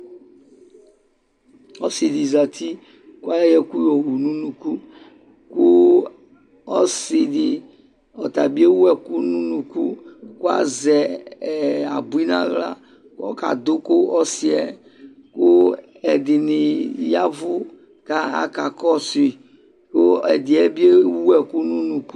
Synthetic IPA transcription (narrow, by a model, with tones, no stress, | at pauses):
ɔ˦si˨di˨za˨t̪i˦ | ku˦a˦jɛ˨ku˦jɔ˨wu˨nũ˦nũ˨ku˦ | kʊ˦ | ɔ˦sɪ˨dɪ˨ | ɔ˨t̪a˨bi˦e˦wu˦ɛ˨ku˦nũ˦nũ˨ku˦ku˦a̰˦zɛ˨ | a˨bu˨˦i˦nã̰˦˨ɣla̰˦ | kɔ̰˦ka̰˨d̪ʊ˦kʊ˦ɔ˦si˨ɛ˨ | kʊ˦ | ɛ˨d̪ɪ˨nɪ˨ja˦vʊ˦ | ka˦a̰˦˨ka˨kɔ˦si˨ | kʊ˦ɛ˨d̪ɪ˨ɛ˦bi˦e˦wu˦ɛ˨kʊ˦nũ˦nũ˨ku˦